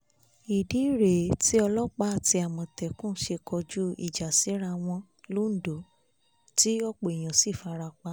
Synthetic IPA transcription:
i˨di˨˦˨ɾe˨tʰi˨˦ɔ˧lɔ˦k͡pa˦a˦˨ti˧˦a˨mɔ̃˨tɛ˨kũ˦ʃe˧kʰɔ˧d͡ʒu˦ḭ˦˨d͡ʒa˨si˨˦ɾa˧w̃ɔ̃˧ | lo˦n̩˨do˨˦ | ti˦ɔ˧k͡po˨i˨j̃ã˨si˦˨fa˧ɾa˧k͡pa˦

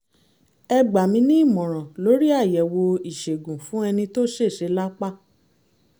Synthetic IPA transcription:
ɛ˧ɡ͡ba˨mĩ˧˦nĩ˦i˦˨mɔ̃˨ɾ̃ɔ̃˨lo˨˦ɾi˦a˦˨jɛ˨wo˧i˨ʃe˨ɡũ˨fũ˨˦ɛ˧nĩ˧to˦ʃe˦˨ʃe˨˧˦la˦k͡pa˦

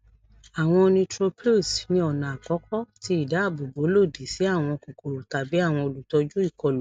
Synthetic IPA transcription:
a˨w̃ɔ̃˧nĩ˧tɾo˧pʰe˦˨snĩ˧ɔ˨nã˨a˨kɔ˨˦kɔ˦ti˧˦i˦˨da˨˦a˦˨bo˨bo˨˦lo˦˨di˨˦si˨˦a˦˨w̃ɔ̃˧ko˨ko˨ɾo˨ta˨bi˨˦a˦˨w̃ɔ̃˧o˧˨lu˨tɔ˧d͡ʒu˦i˦˨kɔ˨lo˨˦

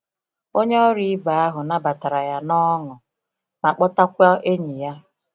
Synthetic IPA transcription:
o˦ɲe˦ɔ˦ɾi˦ba˨a˦ɦʊ˨na˦ba˨ta˨ɾa˨ja˦nɔ˦ŋʊ˨ | ma˨k͡pɔ˦ta˦kʷa˦ʔe˦ɲi˨ja˦

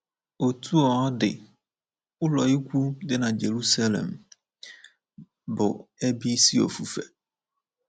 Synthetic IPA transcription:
o˨tʰu˦ɔ˨a˦dɪ̰˨ | ʊ˦lɔ˨ɪ˦kʷu˦dɪ˦nã˨d͡ʑe˨ɾu˦sa˦lɛ̰˨m | bʊ˨ɛ˦bi˦si˦ɔ̰˨fu˨fɛ˨

